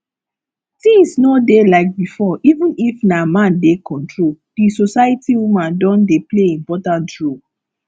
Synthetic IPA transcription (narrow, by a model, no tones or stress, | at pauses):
tĩŋsnɔdelaɪk̚bifɔʔivũnifnamãndekʰɔ̃ntɹold̥isosaɪətiwumãndɔ̃ndepleĩmpɔtãntɹo